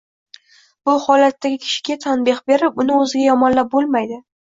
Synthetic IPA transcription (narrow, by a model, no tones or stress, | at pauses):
b̥ʊhɒlat̪ːaɡʲɪkʲʰɪ̥ʃɪ̥ɡʲat̪ʰanbɪχbe̞ɾɪpʊnɪɵzɪɡʲajɒmɒnlap̚bolˠmajd̪ɪ